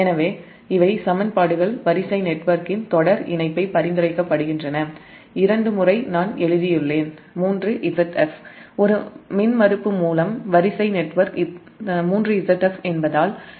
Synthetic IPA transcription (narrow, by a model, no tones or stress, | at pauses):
ɛnɐʋeː | ɪʋɐɪsɐmɐnpaːɽɯɣɐɭʋɐɾɪsɐɪnɛʈːʋɐɾkɪnt̪ɔɽɐɾɪ̰nɐɪpːɐɪpɐɾɪnd̪ɯɾɐɪkːɐpːɐɽɯɣɪndrɐnɐ | ɪɾɐɳɖɯmɯrɐɪnaːnɛɻɯðɪjɪɭːeːn | muːndrɯʔɪsɐʈɛfɔɾɯmɪnmɐɾɯpːɯmuːlɐmʋɐɾɪsɐɪnɛʈːʋɐɾk | muːndrɯɪsɐʈːɛfɛnbɐðaːl